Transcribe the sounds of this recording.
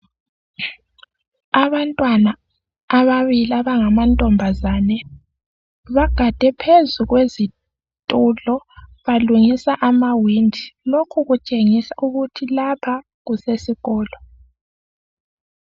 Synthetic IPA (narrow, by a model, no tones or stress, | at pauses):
aβantʼwanaː | βaβiliaβaŋamantʼɔmbʱazaːnɛ | βaɡ̥ʱad̥ʱɛpʰezuɣwezi | tʼulɔβaluŋisaʔamawindʱilokʰuɣut͡ʃʼeŋisaʔuɣutʰilapʰa | ɣusesiɣɔːlɔ